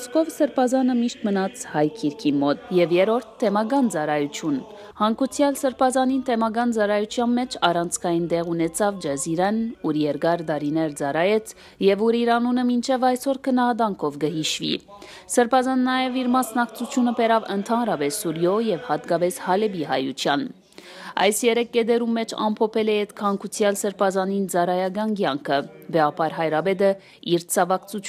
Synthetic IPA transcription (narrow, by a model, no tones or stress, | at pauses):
skɔvsəɾpʰɑzɑnəmiʃt̪mənɑt͡sʰhɑjkʰiɾkʰimɔt̪jɛvjɛɾɔɾt̪ʰːɛmɑɡɑnt͡sɑɾɑjut͡sʰjun | hɑŋkut͡sʰjɑlsəɾpʰɑzɑnint̪ʰɛmɑɡɑnt͡sɑɾɑjut͡sʰjɑnmɛt͡ʃʰɑrɑnt͡sʰkʰɑjind̪ɛʁunɛt͡sʰɑvd͡ʒɛziɾɛnuɾjɛɾɡɑɾd̪ɑɾinɛɾd͡zɑrɑjɛt͡sʰ | jɛvuɾiɾɑnunəmint͡ʃʰɛvɑjsɔɾkʰənɑhɑd̪ɑŋkʰɔvɡəɦiʃvḭ | səɾpʰɑzɑnːɑjɛviɾmɑsnɑkt͡sʰut͡sʰjunəpɛɾɑvənt̪ʰɑnɾɑpɛsːuɾjɔjɛvhɑt̪ɡɑpɛshɑlɛbiɦɑ̰jut͡sʰjɑn | ɑ̰jsjɛɾɛkːɛd̪ɛɾumːɛt͡ʃʰɑ̰mpʰɔpʰɛlɛɛt̪kʰɑŋkʰut͡sʰjɑlsəɾpʰɑzɑnind͡zɑɾɑjɑɡɑnɡjɑŋkʰəbɛɑpʰɑɾɦɑjɾɑbɛd̪ə | iɾt͡sʰɑvɑkt͡sʰu